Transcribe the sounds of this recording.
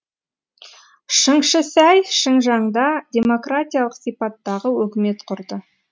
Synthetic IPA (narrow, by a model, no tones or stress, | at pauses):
ʃəɴʃəsæjʃəɴʒɑɴd̪ɑd̪ʲe̞mo̞krat̪ʲijalˠəqsijpɑt̪ːɑʁəwɵkʲɪme̞t̪qʰʊɾd̪ə